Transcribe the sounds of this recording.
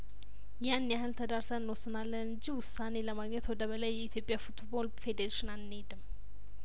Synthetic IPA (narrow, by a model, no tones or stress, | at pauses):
janːjahɨlt̪ʰəd̪aɾsəɨnwosːɨnalːənɨɲd͡ʒiwʊsːane̞ləmaɡɲɛt̪wɔd̪əβəlajːɛit̪ʰjo̞pʼjafut̪bolfe̞d̪eɾeʃinannːed̪ɨm